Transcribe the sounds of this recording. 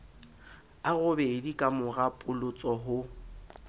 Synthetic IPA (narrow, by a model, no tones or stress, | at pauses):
aɣʊbɛɪdikʼamʊɣapʼʊlʊt͡sʼɔɦʊ